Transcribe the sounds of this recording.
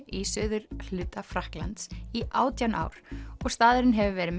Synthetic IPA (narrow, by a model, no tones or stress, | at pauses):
ʔisœːðʏɾl̥ʏːt̪afɾahkla̰nt̪siʔaːwt̪jawnʔa̰ːwɾ̥ɔɣst̪aːðʏɾɪnɦɛvʏvɛːɾɪm